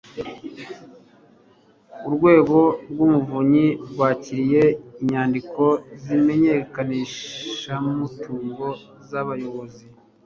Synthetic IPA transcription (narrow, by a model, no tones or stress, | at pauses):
uɾɡwe̞ːɡo̞ɾɡumuvuɲiɡwaːciɾije̞iɲaːndikʰo̞zime̞ɲe̞kaniʃammutʰuːŋɡo̞ | zaβajo̞βo̞zi